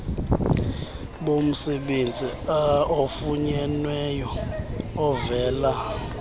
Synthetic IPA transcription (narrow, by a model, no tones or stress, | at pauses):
ɓom̩sɛɓend͡zʱiaofuɲɛnwɛjɔː | vɛːla